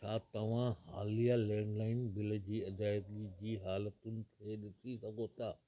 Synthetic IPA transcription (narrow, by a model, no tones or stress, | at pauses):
t͡ɕʰaːt̪ɐʋ̤ãhaːlijalɛ̃ːɳɖlaːɪnbɪlə̆d͡ʑiːɐd̪aːjɡid͡ʑiːɦaːlət̪ʊnɪ̆t̪ʰeɗɪsisɐɡʱot̪ʰaː